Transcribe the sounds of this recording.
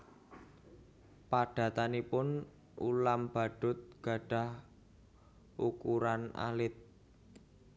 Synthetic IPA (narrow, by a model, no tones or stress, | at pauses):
paɖ̥ä̤t̪anipʊn | ulamb̥a̤ɖ̥ʊ̤t̪̚ɡ̥a̤ɖ̥ä̤h | ʔukuɾana̰lɪt̪̚